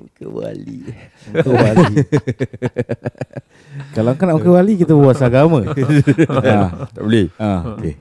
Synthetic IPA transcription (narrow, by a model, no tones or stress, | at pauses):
kə̰wa̰li | ŋkəwalii | kalaŋkanaʔkəwalikit̪əbbwat̪saɡamã | at̪aʔbəleaoke